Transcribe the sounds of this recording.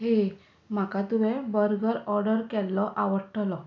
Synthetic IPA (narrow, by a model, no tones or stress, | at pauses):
ɦe | m̤akat̪uʋɛbəɾɡəɾɔɾɖəɾkɛlːɔʔaʋəɾʈʰlɔ